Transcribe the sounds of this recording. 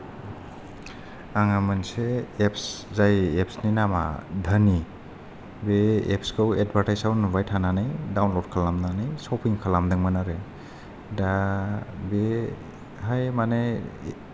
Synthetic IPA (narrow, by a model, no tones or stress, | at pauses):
aŋamanseːpszajep̚sninama̰dʱəni | beepskʰɯwed̚baɾtajsawnbajtʰananɯjdawnlɔd̚kʰalamnanɯjsɔpʰiŋkʰalamdɯŋmanaɾe | da | be | hajmane